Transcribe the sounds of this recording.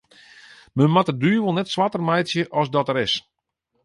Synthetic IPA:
mənmatədyːʋolˠnɛtsʋatərmɛjtsjəʔɔsdɔtəɾɪs

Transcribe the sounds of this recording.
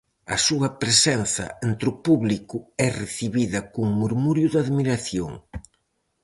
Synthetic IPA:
ɐ̰suɐpɾesɛn̟θɐ̰ent̪ɾʊpuβlikʊɛreθiβiðɐkoŋmuɾmuɾjʊðaðmiɾaθjoŋ

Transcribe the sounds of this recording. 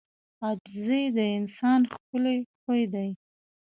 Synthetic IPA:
ad͡ʒzed̪əɪnsɑnxkəlexojd̪aj

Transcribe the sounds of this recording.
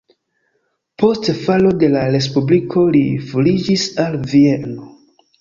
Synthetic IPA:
po̞stfalo̞de̞laɾe̞s̬publikʰo̞liflid͡ʒisalvie̞no̞

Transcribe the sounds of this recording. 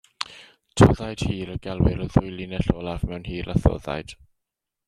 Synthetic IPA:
tʰɔðajd̥hiːɾəɡɛlˠwɪɾəðʊjlˠinɛɬɔːlˠavmɛwnhiːɾaθɔ̰ða̰jd̥

